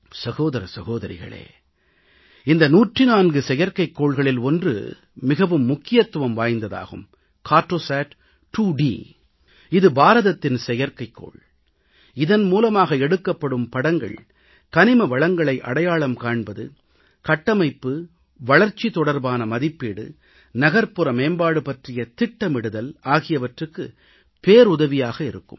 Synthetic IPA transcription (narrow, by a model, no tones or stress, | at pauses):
sɐɣoːðɐɾɐsɐɣoːðɐɾɪ̰ɣɐ̰ɭḛː | ɪnd̪ɐnuːʈrɪnaːnɡɯsɛjɐɾkɐɪkːoːɭɣɐɭɪlɔndrɯ̰ | mɪɣɐʋɯmːʊkːɪjɐt̪ːɯʋɐmʋaːjnd̪ɐða̰ːɣɯ̰m | kaːʈɾoːsaːʈ | ʈuːɖḭ | ɪðɯbaːɾɐðɐt̪ːɪnsɛjɐɾkɐɪkːo̰ːɭ | ɪðɐnmuːlɐmaːɣɐɛɽɯkːɐpːɐɽɯmpɐɽɐŋɡɐ̰ɭ | kɐnɪmɐʋɐɭɐŋɡɐɭɐɪʔɐ̰ɽɐjaːɭɐmkaːɳbɐðɯ̰ | kɐʈːɐmɐɪpːɯ | ʋɐɭɐɾt͡ʃːit̪ɔɽɐɾbaːnɐmɐðɪpːiːɽɯ̰ | nɐɣɐɾpɯɾɐmeːnbaːɽɯpɐʈrɪjɐt̪ɪʈːɐmɪɽɯðɐlaːɣɪjɐʋɐʈrɯkːɯ | peːɾʊðɐʋɪjaːɣɐɪɾɯkːɯ̰m